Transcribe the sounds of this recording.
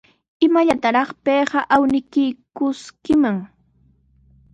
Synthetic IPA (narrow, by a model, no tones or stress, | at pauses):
ɪmaʎat̪aɾɑχpeːɢɑʔawnɪkɪjkʊskɪmaŋ